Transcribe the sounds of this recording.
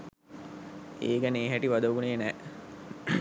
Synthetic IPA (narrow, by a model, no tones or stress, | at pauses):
eːɡəneːɦæʈiʋad̪əʋuneːnɛː